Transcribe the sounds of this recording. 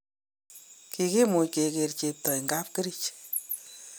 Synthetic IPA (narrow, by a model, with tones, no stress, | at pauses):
ki˧ki˦mu˨ke˨ke˨ɾt͡ʃe˨p̚tɔ˨jŋɡa˦p̚ke˦ɾi˦t͡ʃ